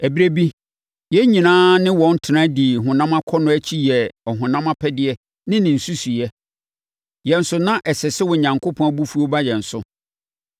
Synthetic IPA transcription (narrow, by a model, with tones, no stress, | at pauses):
æ˨bi˦ɾe˦bi˦ | jɛ˦ɲĩ˨nãː˦nɪ̃˦wɔ̃˨n̩˦tʰɪ˨nã˦di˨ɦʊ̃˨nã˦mã˦kʰɔ˦nʊ̃˦æ˦t͡ɕʰi˦jɛ˨ɔ˨ɦʊ̃˨nã˦mã˦pʰɛ˦dɪ˦ɛ˦ | nɪ̃˦nɪ̃˨n̩˨su˦su˨jɛ˦ | jɛ̃˨n̩˦sʊ˨nã˦ʔɛ˨sɛ˨sɛ˦wɔ˨ɲã˨ŋkʰo˦pʰɔ̃˨˦a˦bu˦fu˦o˦ba˦jɛ̃˨n̩˨sʊ˦